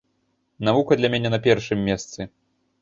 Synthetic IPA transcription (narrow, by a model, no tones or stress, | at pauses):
navukɐd̪lʲɐmʲɛnʲɛnɐpʲɛrʂɨmʲːɛst̪sɨ